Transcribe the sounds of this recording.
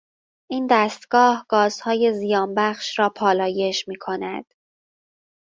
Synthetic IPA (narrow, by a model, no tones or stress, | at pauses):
ʔiːnd̪æːst̪ɡ̥ɒːhɡ̥ɒːz̥hɒːje̞zijɒːnbæχʃɾɒːpʰɒːlɒːje̞ʃmiːkʰo̞næd̪̥